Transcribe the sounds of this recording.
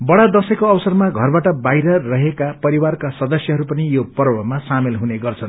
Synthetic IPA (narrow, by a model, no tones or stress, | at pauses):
bʌɽad̪ʌsʌkoʌbsʌrmaɡʱʌrbaʈʌbajɾʌrʌɦekapʌɾiwarkasʌd̪ʌsjʌɦʌɾupʌnijopʌrbʌmasamelɦuneɡʌrt͡sʰʌn